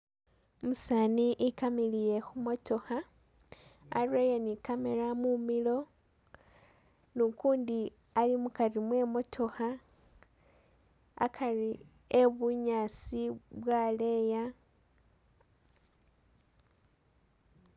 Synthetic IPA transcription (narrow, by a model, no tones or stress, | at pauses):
musaːniʔikamilije̞xumo̞to̞xa | rwejonikameɾamumilo̞ | nukuːndi | alimukarimwe̞mo̞tʰo̞xa | a̰kʰari | e̞βuɲaːsiβwale̞ja